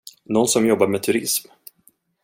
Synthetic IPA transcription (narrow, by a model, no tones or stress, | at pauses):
nɔnːsɔmjɔbːaɾmet̪ʰɵɾɪsm